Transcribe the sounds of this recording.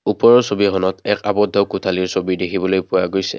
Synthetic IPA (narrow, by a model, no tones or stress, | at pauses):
upɔɹɔsobiɦɔnɔtɛkabɔdʱːɔkʊtʰaliɹsobidekʰibɔlojpʊwaɡojsɛ̰